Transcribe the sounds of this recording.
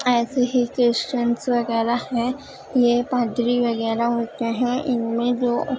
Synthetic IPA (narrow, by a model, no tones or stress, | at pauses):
ɛːseɦikɾesʈənsʋɐɣɛːɾaɦɛ̃ | jepãːd̪ɾiʋɐɣɛːɾaɦoːt̪eɦɛ̃ʔɪnmẽd͡ʒoː